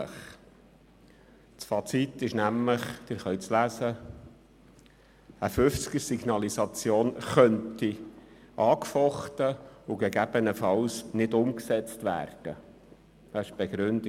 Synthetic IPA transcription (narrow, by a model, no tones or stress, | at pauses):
əχ | t͡sfɑt͡sitːɪʃnæmləχd̥̪ɪɾχœɥt͡slæsə | əfʉft͡skəɾsiɡ̥nɑlisɑt͡sjoːnχœnti | ʔɑːkfɔχt̪əʊɡɛɡæb̥ənəfɑlsnɪdʊmksɛt͡stʋæ̰ːrd̥ə | dɑɪʃb̥ɛɡɾʉnd